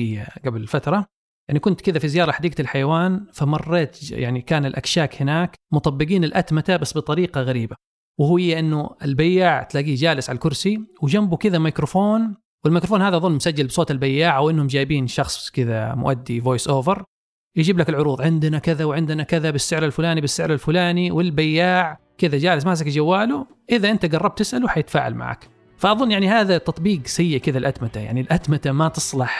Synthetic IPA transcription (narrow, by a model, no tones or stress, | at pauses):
jːaɡablɪlfat̪ɾˤɑ | jaʕnikʊnt̪kɪðafizɪjɑːɾˤɑħad̪iːɡalħajawaːnfamɑrˤːeːt̪ja̰ʕnikaːnɪlʔakʃaːkhɪnaːkmʊt̪ˤɑbːɪɡiːnɪlʔat̪mat̪abasbɨt̪ˤɑɾiːqɑɣaɾiːba | wɪhʊjːaʔɪnːʊɪ̰lbajːaʕt̪laːɡiːd͡ʒaːlɪsʕalakʊɾsiwd͡ʒambukɪðamajkɾofoːn | wɪlmajkɾofoːnhaːðaʔðˤʊlːmʊsad͡ʒːalbsˤoːt̪ɪlbajːaːʕawʔɪnːhʊmd͡ʒaːjbiːnʃɑxsˤkɪða̰mʊ̰ʔad̪ːivoːjsʔoːvɪɾ | jad͡ʒiːblakɪlʕʊɾuːðˤʕɪnd̪nakɪðawʕɪnd̪nakɪðabɪsːɪʕɾalfʊlaːnibɪsːɪʕɾalfʊlaːniwɪlbajːaːʕ | kɪðad͡ʒaːlɪs̬mas̬akd͡ʒawːaːlu | ʔɪðaʔɪnt̪aɡɑrˤːɑb̚t̪ɪsʔaluħajɪt̪ḁfa̰ːʕa̰lma̰ʕa̰ːk | faʔɑðˤʊnːjaʕnihaːðat̪ɑt̪ˤbiːqsajːaʔkɪðalʔad̪mat̪aja̰ʕnilʔad̪mat̪amat̪ɨsˤlɑħ